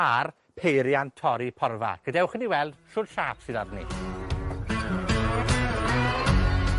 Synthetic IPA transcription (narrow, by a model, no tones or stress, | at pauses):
ar | pʰejɾjantʰɔɾipʰɔrva̰ɡ̥ədɛwχəniwɛlˠd̥ʃʊrʃaːpsɨðadnḭ